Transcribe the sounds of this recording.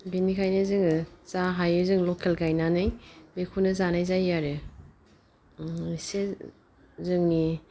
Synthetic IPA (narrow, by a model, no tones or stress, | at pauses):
binikʰajnɯzɯŋɯzaɦajɯzɯŋlɔkʰelkʰajnanajbekʰunɯzanajzajaɾe | ise | zɯŋni